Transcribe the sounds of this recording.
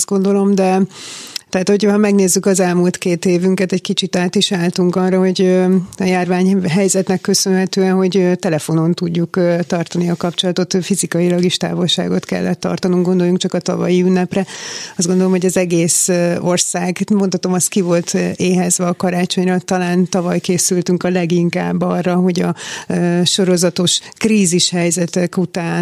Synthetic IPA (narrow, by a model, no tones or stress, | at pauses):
zɡo̞nd̪o̞lo̞md̪ɛ | t̪ɛːt̪ho̞ɟhɒmɛɡneːzːykɒzɛlmult̪keːt̪eːvyŋkɛt̪ɛckit͡ʃit̪aːt̪iʃaːlt̪uŋkɒrːɒɦo̞ɟøɒjaːrvaːɲɦɛjzɛt̪nɛkːø̞sønɦɛt̪øːɛnɦo̞ɟøt̪ɛlɛfo̞no̞nt̪uɟːukːt̪ɒrt̪ɒniɒkɒpt͡ʃo̞lɒt̪o̞t̪fizikɒjilɒɡeʃt̪a̰ːvo̞lʃa̰ːɡo̞t̪kɛ̰lːʔɛt̪ːɒ̰rt̪ɒnuŋɡo̞nd̪o̞jːuŋkt͡ʃɒkɒt̪ɒ̰vɒ̰jiynːɛprɛɒzdɡo̞nd̪o̞lo̞mho̞ɟɒzɛɡeːso̞rsaːɡmo̞nt̪hɒt̪o̞mɒst̪̚kivo̞lt̪ʰeːɦɛzʋɛːkɒɾaːt͡ʃo̞ɲrɒt̪ɒlaːnt̪ɒvɒjkeːsylt̪yŋkɒlɛɡiŋka̰ːbːɒrːɒɦo̞ɟɒ | ʃo̞ɾo̞zɒt̪o̞ʃkriːziʃhɛjzɛt̪ɛkut̪aːn